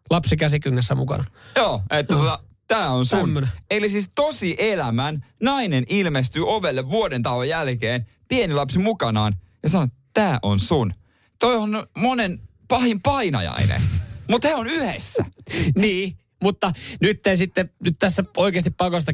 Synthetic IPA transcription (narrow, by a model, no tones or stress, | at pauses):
lɑpsikæsikyŋːesːæmṵkɑ̰nɑjoːet̪ːæot̪ɑ | t̪æːonsunnelisist̪osiʔelæmænnɑinenilmest̪yːoʋelːeʋːuodent̪ɑlojælkeːn | pienilɑpsimukɑnɑːn | jɑsɑnoett̪æːʔonsun | t̪oionmonen | pɑhimpɑinɑ̰jɑ̰inḛmut̪heonyhesːæ̰niː | mut̪ːɑnyt̪ːeisit̪ːenyt̪t̪æsːæoikeːst̪ippɑkost̪ɑ